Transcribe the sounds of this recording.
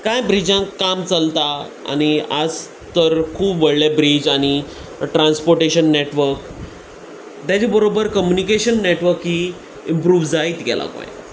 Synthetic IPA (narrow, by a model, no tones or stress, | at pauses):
kajbɾid͡ʑãkːamt͡səlt̪a | a̰ñia̰d͡z | t̪əɾkʰuːbʋəɭlebɾid͡ʑañi | ʈɾanspoɾʈeɕənːeʈʋəɾk | t̪jad͡ʑibəɾobəɾkəmjunikeɕənːeʈʋəɾkɦiː | impɾuːʋd͡zaiːt̪ɡɛ̰lʔa̰kõ̰j̰